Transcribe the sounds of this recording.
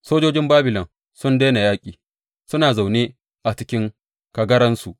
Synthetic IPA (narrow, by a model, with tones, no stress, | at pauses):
soː˦d͡ʒoː˦d͡ʒɪ˦mbaː˦bɪ˨lɔ˨n | sʊ˦nde˦na˨jaː˦kʲʼiː˨ | sʊ˦naː˨za˨wneː˦ | ʔa˨t͡ʃɪ˦kʲɪ˦ŋ | kɐ˨ɡɐ˦ɾɐ˦nsu˨ʔ